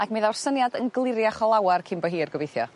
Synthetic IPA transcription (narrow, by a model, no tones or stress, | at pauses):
akmɪðawrsənjadənɡlˠɪɾjaχɔlˠawarkʰɪmbɔɦiːrɡəvejθjɔ̰